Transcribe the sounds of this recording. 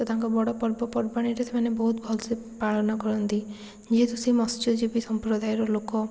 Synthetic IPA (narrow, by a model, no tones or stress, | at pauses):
t̪ɔt̪aŋkɔbɔɽɔpɔɾbɔpɔɾbaɽ̃iɾet̪ʰemanebɔɦut̪̚bʱɔlsi | paɭɔnɔkɔɾɔnt̪i | d͡ʒet̪usimɔst͡ʃɔd͡ʒibisɔmpɾɔd̪ajɔɾɔlokɔ